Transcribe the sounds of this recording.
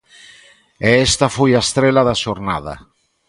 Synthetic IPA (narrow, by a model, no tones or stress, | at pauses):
eest̪afojaest̪ɾelaðaʃoɾna̰ða̰